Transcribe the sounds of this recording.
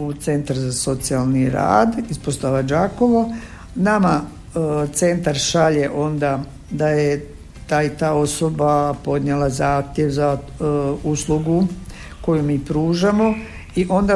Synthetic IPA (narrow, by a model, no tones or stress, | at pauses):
ut̪se̞nt̪aɾzaso̞t̪sialˠniɾa̰ːd̪ispost̪aʋad͡ʒako̞ʋo | nama | t̪se̞nt̪aɾʃaʎeʔo̞nd̪a | d̪aje | t̪aːjt̪aːo̞so̞bapo̞d̪ɲelˠazaːxt̪jeʋza | usluɡu | ko̞jumiːpɾuːʒamo̞ | iʔo̞nd̪a